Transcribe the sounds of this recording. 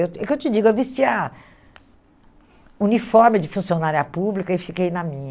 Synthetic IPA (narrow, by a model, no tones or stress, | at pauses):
ewkewt͡ʃɪd͡ʒiɡʊewvist͡ʃiɐ | unifɔɾmɪd͡ʒɪfũsionaɾiɐpublikɐɪfikejnɐmĩɲ